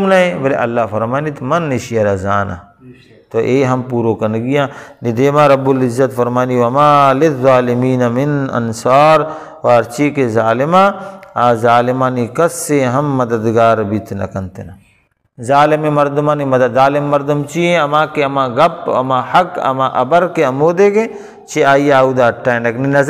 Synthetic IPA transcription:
mnɐɦẽbɐlḛʔɐlːafɐɾmaːnit̪mɐnːiʃijɐɾɐzaːna̰ | t̪oʔeːɦɐmpuːɾokɐnɡijãːnid̪eːmãːɾɐbːʊlɪzːɐt̪fɐɾmaːniwɐmaːlɪðːaːlɪmiːnɐmɪnɐ̰nsaːɾ | waːɾt͡ʃikezaːlɪmaaːzaːlɪmaːnikɐsːeɦɐmːɐd̪əd̪ɡaːɾbit̪nɐ̰kɐnt̪ena | zaːlɪmẽmɐɾd̪ʊmãːnimɐd̪ɐd̪zaːlɪmːɐɾd̪ʊmt͡ʃiẽɐmãːkeɐmãːɡɐpɐ̰mahɐkɐ̰mãːʔɐ̰bɐɾkeɐmoːd̪eːke | t͡ʃʰeaːiaːud̪aːɐʈʰːaːẽnɐkninɐz

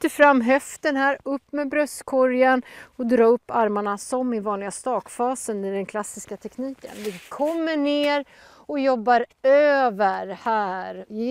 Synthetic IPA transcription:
t̪ːəfɾamːɦɛft̪ənɦæːɾɵpːmɛbɾœst̪kʰɔɾjanɔd̪ɾɑːɵpːaɾmaɳasɔmɪvɑːnlɪɡast̪ɑːkfɑːsənɪd̪ɛnkʰlasːɪskat̪ʰɛkniːkə̰nvɪkʰɔmːəɳeːɾ | ɔjɔbːaɾøːvəɾhæːɾ

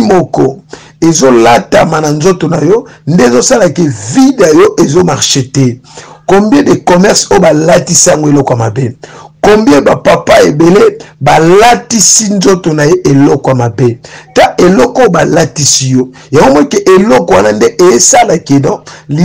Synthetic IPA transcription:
mɔkɔ | ezolatamananzotonajɔndezosalakevidajɔʔezomaʁʃetɛkombjɛ̃dekomɛʁsojobalatisaŋɡoelɔkoamabekombjɛ̃bapapaebelebalatisinzotonajeʔelɔkoamabetaʔelɔkobalatisijɔ | jaŋɡomɔikeʔelɔkowanandeʔejesalakenɔ̃li

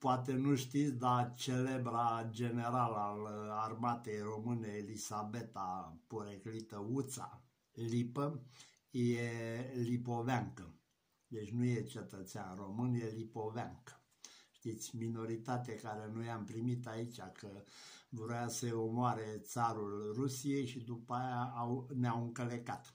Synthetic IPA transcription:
poat̪enuʃt̪it̪sʲd̪at͡ʃe̞le̞bɾad͡ʒe̞ne̞ɾalalarmat̪e̞jro̞mɨneːlisabe̞t̪apoɾeklit̪əut̪sa̰ | lipə | jelipo̞veaŋkə | d̪e̞t͡ʃʲnuje̞t͡ʃe̞t̪ət̪seanro̞mɨnje̞lipo̞veaŋkə | ʃt̪it̪sʲmino̞ɾit̪at̪̬ekaɾe̞nujampɾimit̪ait͡ʃʲakʰəvoɾoasəomoaɾe̞t̪saɾulrusije̞jʃid̪upəajaːwneawɨŋkəlekat̪

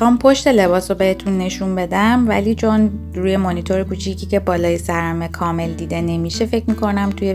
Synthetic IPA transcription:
xɒːmpʰo̞ʃt̪e̞le̞bɒːsobe̞he̞t̪ʰunːe̞ʃunbe̞d̪æmvæ̰liːt͡ʃʰo̞n | ɾuːje̞monit̪ʰo̞ɾekuːt͡ʃʰicʰiːce̞bɒːlɒːjesæɾæme̞kʰɒːme̞ld̪iːd̪e̞ne̞miʃe̞fe̞cmikʰo̞næmt̪ʰuje

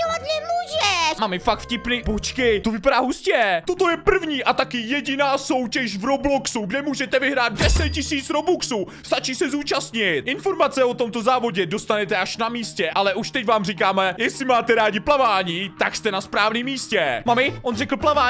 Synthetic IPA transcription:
oat̪nɛmuːʒɛʃmamɪfak̚t̪fcɪpniːpot͡ʃkɪt̪ovɪpadaːɦuscɛt̪o̞t̪o̞jɛpr̩vɲiːʔat̪akɪjɛɟɪnaːso̞wcɛʃvɾoblo̞ksuɡdɛmuːʒɛt̪ɛvɪɦɾaːd̪̚dɛsɛt̪̚cɪsiːt͡sɾobuksuː | st̪at͡ʃiːsɛzuːt͡ʃast̪ɲɪt̪̚ʔɪnfo̞ɾmat͡sɛo̞t̪o̞mt̪ozaːvo̞ɟɛdo̞st̪anɛt̪ɛʔaʃnamiːscɛʔalɛʔuʃt̪ɛcvaːmrik̬aːmɛjɛsɪmaːt̪ɛɾaːɟɪplavaːɲiːt̪akst̪ɛnaspɾaːvniːmːiːscɛmamɪʔonrɛkl̩plavaː

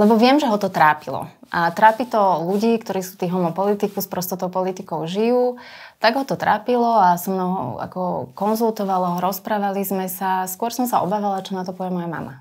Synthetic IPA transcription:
lɛbɔʋɪɛmʒɛɦɔt̪ɔt̪ɾaːpilɔ̰ʔat̪ɾaːpit̪ɔluɟiːkt̪ɔɾiːsuːt̪iːɣɦɔmɔpɔlit̪ikuspɾɔst̪ɔt̪ɔʊpɔlit̪ikɔʊʒijuːt̪aɡɦɔt̪ɔt̪ɾaːpilɔasɔmnɔɦɔ̰a̰kɔkɔnzulˠt̪ɔʋalaɦɔɾɔspɾaːʋalizmɛsaskʊɔɾsɔmsaɔ̰baːʋalat͡ʃɔnat̪ɔpɔʋjɛmɔjama̰ma̰

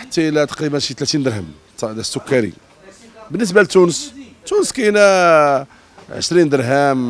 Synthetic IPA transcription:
ħət̪ːalæt̪ɑ̥qɾibənʃit̪læt̪ind̪əɾˤɦəm | t̪d̪sːʊkːaɾḭ | bənːəs̬balt̪ːunəst̪ːunəskæjnæ | ʕə̰ʃɾind̪əɾɦæm

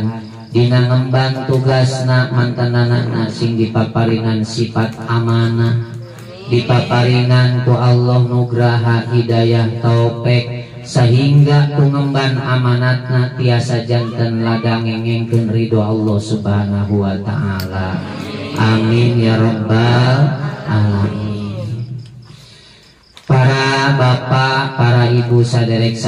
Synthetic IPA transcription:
n | diŋaŋəmbant̪uɡasnamant̪anana̰na̰siŋdipapaɾiŋansifat̪̚amana | dipapaɾiŋant̪ualːɔhnuɡɾaɦaɦidajaht̪ɔɔpɛk̚ | səɦiŋɡat̪uŋəmbanamanat̪̚nat̪iasad͡ʒant̪ənladaŋɛŋɛŋkunridɔalːɔhsubɦanaɦuwat̪a̰ʔalaʔaminjaɾɔmba | ʔaminn | paɾabapapaɾaibusadɛɾɛk̚s

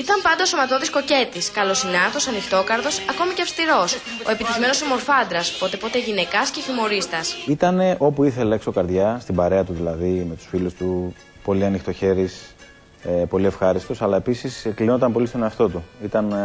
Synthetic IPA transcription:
it̪ɐmpɐnd̪ɐoso̞mɐt̪o̞ðiskoce̞t̪iskɐlo̞sinɐt̪o̞sɐnixt̪o̞kɐɾðo̞sɐko̞miceɐfst̪iɾo̞s | o̞e̞pit̪içme̞no̞somo̞ɾfɐnd̪ɾɐspo̞t̪e̞po̞t̪eʝine̞kɐsce̞çimo̞ɾist̪ɐsit̪ɐne̞ʔo̞puiθe̞leekso̞kɐɾðʝɐst̪imbɐɾe̞ɐt̪uðilɐðime̞t̪u̥sfilust̪u | po̞liɐnixt̪o̞çe̞ɾis | epo̞lie̞fxɐɾist̪o̞sɐlɐe̞pisiseklinond̪ɐmpo̞list̪o̞neɐft̪o̞t̪uit̪ɐn

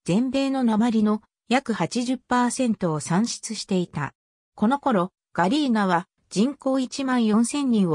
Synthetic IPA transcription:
z̥ẽ̞mbe̞ːno̞namaɾʲino̞ | jakɯ̟hat͡ɕiʑɨpːaːsẽ̞nt̪o̞ːsãɰ̃ɕi̥t͡sɨɕi̥t̪e̞it̪a̰ | ko̞no̞ko̞ɾo̞ | ɡ̥aɾʲiːnaβ̞a | d͡ʑĩŋko̞ːit͡ɕimãɰ̃jõ̞ɰ̃sẽ̞ɲʲːĩɰ̃o

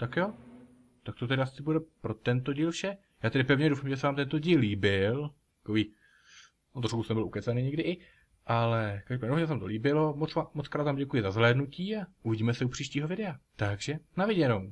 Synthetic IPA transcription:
t̪akjoː | t̪ak̚t̪ot̪ɛdɪasɪbudɛpɾo̞t̪ɛnt̪o̞ɟiːlfʃɛ | jaːt̪ɛɾɪpɛvɲɛdowfaːmʒɛs̬ɛvaːmt̪ɛnt̪o̞ɟiːlːiːbɪlt̪ḁkoviː | ot̪ɾoʃkusnɛbɪlukɛt͡saniɲɛɡdɪʔɪ | ʔalɛkaʒdopːaːɲnoɲɛsɛamt̪o̞liːbɪlo̞mot͡samot͡skɾaːt̪vaːmɟɛkujɪzazɦlɛːdnuciːaʔuvɪɟiːmɛsɛupr̥iːʃciːɦovɪdɛat̪aɡʒɛnavɪɟɛnow

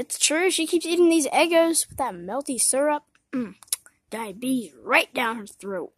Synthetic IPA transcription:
ɨtstʰɹ̥ʉʃikʰipsiɾɪ̃ŋðizɛɡoʊzwɨðət̚mɛlˠtisɜ˞əp̚ | m̩ | d̥aɪbizɹaɪt̚d̥ãʊ̃nə˞θɹoʊt̚

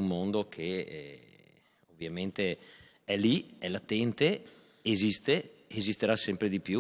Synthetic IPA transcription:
ummond̪okʰeɛ̰ | ovːjament̪e | ɛliɛlat̪ɛnt̪e | ezist̪eezist̪eɾasɛmpɾed̪ipju

